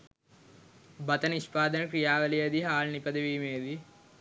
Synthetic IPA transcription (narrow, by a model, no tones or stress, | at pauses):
bɐt̪ɐniʃpaːd̪ɐnɐkɾijaːʋɐlijɐd̪iɦaːlnipɐd̪ɐʋiːmeːd̪i